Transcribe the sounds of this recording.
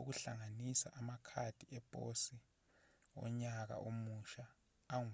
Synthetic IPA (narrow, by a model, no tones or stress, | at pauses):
uɣ̬uɬaŋanisa̰ʔamakʰad̥ʱiɛpʼosi | ɔ̰ɲak̬a̰ʔomuʃaː